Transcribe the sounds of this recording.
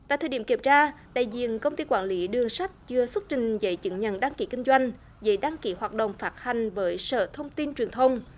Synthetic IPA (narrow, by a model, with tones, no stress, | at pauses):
t̪a̰ː˧˨jt̪ʰəː˨˩ɗi˧˩əmki˧˩ət͡ɕaː˧ɗa̰ː˧˨jzḭ˧˨ənkə˧wŋ͡mt̪i˧kwaː˧˩nli˨˦ɗɨ˨˩əŋsa˦˥jk̟̚t͡ɕɨ˧əswə˦˥t̚t͡ɕï˨˩ŋ̟zə̰˧˨˦jt͡ɕɨ̰˧˨˦ŋɲə̰˧˨nɗaː˧ŋki˨˦kï˧ŋ̟zwa˧jŋ̟ | zə̰˨˦jɗaː˧ŋki˨˦hwaː˨˩t̚ɗə̰˧˨wŋ͡mfaː˦˥t̚ha˨˩jŋ̟vəː˨˦jsə̰ː˧˨t̪ʰə˧wŋ͡mt̪i˧nt͡ɕwi˨˩ənt̪ʰə˧wŋ͡m